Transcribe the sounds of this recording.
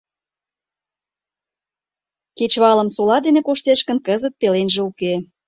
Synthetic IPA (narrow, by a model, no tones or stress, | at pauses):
ket͡ɕβɑlə̆msolɑd̪enekoʃt̪eʃkənkəzət̪̚pelenʒeuke